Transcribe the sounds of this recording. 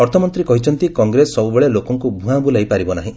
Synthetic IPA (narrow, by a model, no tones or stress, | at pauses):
ɔɾt̪ʰɔmɔnt̪ɾikɔɦit͡ʃʰɔnt̪ikɔŋɡɾesɔbubeɭelokɔŋkubʱũɦãbulajpaɾibɔnaɦĩ